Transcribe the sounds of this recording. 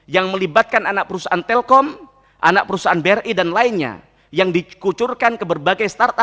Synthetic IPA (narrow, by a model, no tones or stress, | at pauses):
jaŋməlibat̪̚kananak̚pəɾusaʔant̪ɛlkɔm | ʔa̰nak̚pəɾusaanbɛrʔidanlaɪnɲa̰ | jaŋdikut͡ʃurkankəbərbaɡajst̪art̪a